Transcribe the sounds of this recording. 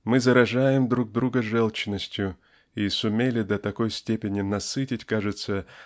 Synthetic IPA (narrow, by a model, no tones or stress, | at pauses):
mɨzəɾɐʐajɪmd̪ɾuɡ̚d̪ɾuɡəʐɛlˠt͡ɕɪnːəsʲtʲjʊ | isʊmʲelʲɪd̪ət̪ɐko̞jsʲtʲepʲɪnʲɪnɐsɨtʲɪtʲkaʐɨt̪sə